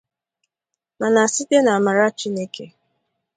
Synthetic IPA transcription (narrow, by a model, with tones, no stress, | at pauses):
ma˨na˨si˦te˦na˨a˨ma˨ɾa˦t͡ʃi˦ne˦ke˦